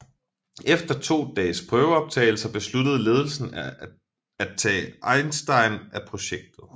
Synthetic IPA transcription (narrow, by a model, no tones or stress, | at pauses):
efd̥ɐt͡sʰo̝̰ːd̥ɛ̰ːspʰʁœːʊəɒ̽b̥̚t͡sʰɛ̰ːɪl̩sɐb̥e̝slud̥əð̞̩ˠle̝ːð̞ˠl̩sn̩ | æt͡sʰɛ̰ːʔɑ̈ɪnsd̥ɑ̈ɪnʔæpʰʁo̝ɕeɡ̥̚d̥ð̩ˠ